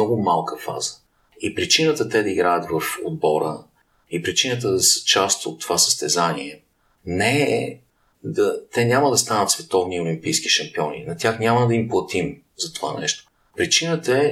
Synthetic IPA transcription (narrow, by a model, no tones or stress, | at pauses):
ɔɡʊmalˠkəfa̰z̥ə̥ | ipɾit͡ʃinət̪ət̪ɛd̪ɐiɡɾajət̪vɐfod̪̚bɔɾə̰ | ipɾit͡ʃinət̪̬əd̪ɐsə̥t͡ʃast̪o̰t̪ːovasə̥st̪ɛzanḭɛ | nɛ | d̪ɐt̪ɛnʲaməd̪ɐst̪anət̪svɛt̪ɔvniolimpijsk̟i̥ʃɐmpiɔnḭnɐt̪ʲjaxnʲaməd̪ɐimplˠɐt̪im | zɐt̪ova̰nɛ̰ʃt̪o̥ | pɾit͡ʃinət̪əɛ